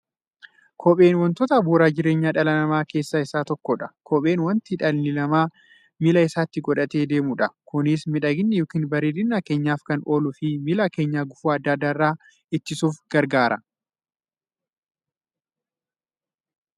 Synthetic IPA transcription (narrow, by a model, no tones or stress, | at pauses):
kʰɔpʼe̞ːnwɐnt̪oːt̪ɐːbuːɾaːd͡ʒɪɾe̞ːɲːaːᶑɐlɐnɐmaːke̞ːsːaɪsːaːt̪ɔkːɔᶑɐ̥kʰɔpʼe̞ːnwɐnt̪ɪᶑɐlnɪlɐmaː | mɪlɐɪsaːt̪ːɪɡɔᶑɐt̪e̞ːd̪e̞ːmʊᶑɐkʊnɪsmɪᶑɐɡɪnːɪjoːkiːnbɐɾeːd̪ɪnːaːke̞ːɲːaːfkɐno̞ːlʊfɪmɪlake̞ːɲːaːɡʊfuːɐd̪ːaːd̪ːaːɪrːaː | ɪt̪ːɪsuːfɡ̥ɐɾɡaːɾʔɐ̰